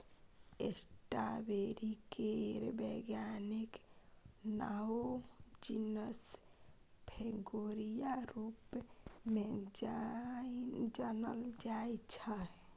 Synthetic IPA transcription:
esʈabeɾikeɾbeɡjanik | naod͡ʒinəs | pʰeɡoɾijaɾupmed͡ʒ | d͡ʒanəld͡ʒajt͡ʃʰə

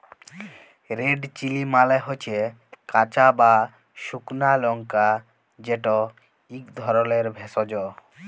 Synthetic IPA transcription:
ɾeɖt͡ɕilimaleɦot͡ɕʰe | kat͡ɕaba | ʃuknalɔŋka | d͡ʑeʈo | ikd̪ʱɔɾoleɾbʱesod͡ʑo

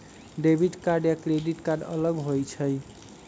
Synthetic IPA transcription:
ɖebʱiʈkaɾɖjakɾeɖiʈkaɾɖə̰ləɡɦojt͡ʃʰəj

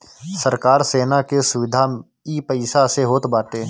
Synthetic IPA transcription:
səɾkaːɾseːnakesʊʋɪd̪ʱa | ipəɪsaseɦoːt̪baːt̪eː

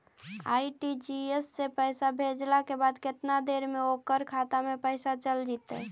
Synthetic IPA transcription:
a̰ːiʈid͡ʒiesːepəjsabʱed͡ʒlakebad̪kɪt̪nad̪eɾmeokəɾkʰat̪amepəɪsat͡ʃəld͡ʒit̪ɛ̰

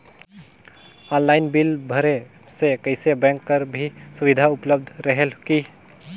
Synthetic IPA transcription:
ɔnlaɪnbilbʱəɾe | sekəɪsebɛ̃ŋkːəɾbʱisuʋid̪ʱaupləb̚d̪ʱɾəɦelki

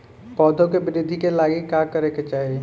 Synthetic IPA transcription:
pɔːd̪ʱõkebɪɾɪd̪ʱːikelaːɡikaːkɐɾeket͡ʃaːɦie

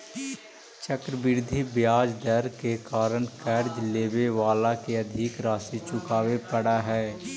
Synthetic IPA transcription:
t͡ʃəkɾəbɪɾd̪ʱibjaːd͡ʒd̪əɾkekaːɾənkɛːɾd͡ʒleːbeʋaːlakeɐd̪ʱɪkɾaːsit͡ʃʊkaːwepəɽaɦɛː

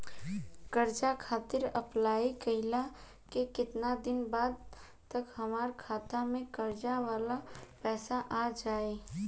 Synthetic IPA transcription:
kəɾd͡ʒakʰaːt̪ɪɾəplaːikəɦɪla | kekɪt̪nad̪ɪnbaːd̪ | t̪əkɦɐmaːɾkʰaːt̪amẽkəɾd͡ʒaʋaːlapɛːsaʔad͡ʒaːeː

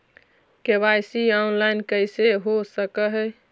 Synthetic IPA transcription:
kebajsianlajnkəseɦosəkəɦɛ

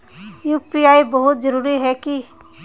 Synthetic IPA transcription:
juːpiaːibəɦʊt̪d͡ʒəɾuːɾiɦɛki

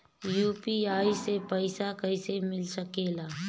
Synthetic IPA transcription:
juːpiaːisepəɪsakəɪsemɪlsəkeːlaː

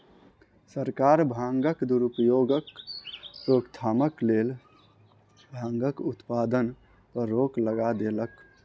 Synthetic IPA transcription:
səɾkaɾbʱãŋɡəkd̪uɾupjoɡək | ɾokt̪ʰaməklel | bʱãŋɡəkut̪pad̪ən | pəɾːokləɡad̪elək

